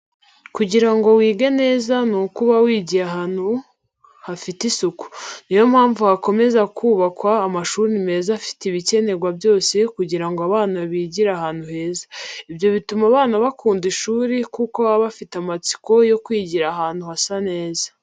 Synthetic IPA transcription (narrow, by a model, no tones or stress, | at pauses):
kuɟiɾaŋɡo̞wiːɡe̞ne̞ːzanukuβawiːɟiɾaɦaːn̥hu | hafitisuku̥nijo̞mhaːɱvuhako̞me̞zakʰuːβakwaːmaʃuɾime̞ːzafi̥tiβice̞ne̞ɡwabjo̞ːse̞kuɟiɾaŋɡoaβaːnaβiːɟiɾahaːn̥huhe̞ːzḁibjo̞βitumaβaːnaβakʰuːndiʃuːɾikukoaβafitamat͡si̥ko̞jo̞kwiːɟiɾaɦaːn̥huhasane̞ːzḁ